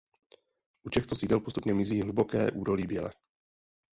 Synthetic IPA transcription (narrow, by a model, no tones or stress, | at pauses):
ʔucɛxt̪o̞siːdɛlpost̪upɲɛmɪziːɦlubo̞kɛ̰ːʔuːdo̞liːbjɛlɛ̰